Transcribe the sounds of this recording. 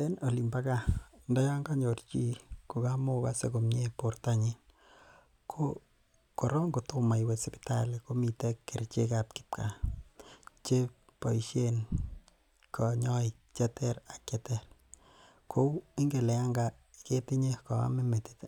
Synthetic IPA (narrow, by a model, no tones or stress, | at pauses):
enolimbakandɔjaŋɡaɲort͡ʃikokamokasḛkomɲeportaɲin | kʰo | kɔɾɔŋɡotumajwesipi̥ta̰lekomitekːert͡ʃekap̚ki̥p̚kʰa | t͡ʃe | pɔiʃjen | kʰɔɲɔi | t͡ʃɛtɛɾakɛtɛr | kʰoiŋɡelɛaŋɡa | iketiɲekɔa̰memeti̥t